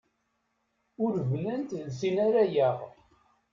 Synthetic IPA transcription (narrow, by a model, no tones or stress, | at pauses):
ʊɾvlənt̪ðsinaɾæjæʁ